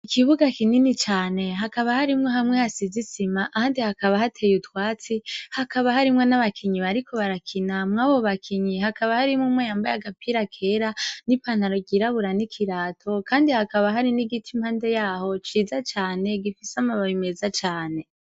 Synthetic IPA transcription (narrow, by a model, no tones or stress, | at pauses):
ikʰiβuɡakininit͡ʃaːne̞ɦakaβahaɾimŋoɦamŋe̞hasizisimaʔhaːndihakaβahatʰe̞ːjutwaːt͡sihakaβahaɾimŋe̞naβakʰiɲiβaɾikʰo̞βaɾakʰinamŋaːβo̞βakʰiɲihakaβahaɾimŋumŋwejaːmbajaɡapʰiɾakʰe̞ɾanipanaɾo̞ɟiɾaβuɾanikʰiɾaːtʰo̞kaːndihakaβaɦaɾiniɡitʰimhaːnde̞jaːho̞t͡ʃiːzat͡ʃaːne̞ɡifisamaβaβime̞zat͡ʃaːne̞